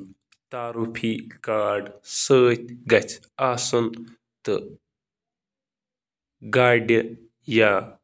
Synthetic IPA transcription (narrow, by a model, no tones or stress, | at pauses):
t̪aːɾupʰiːkaːɾɖsəːt̪ʲɡɐt͡s | aːsun | t̪ɨ̰ | ɡaːɖɐ | jaː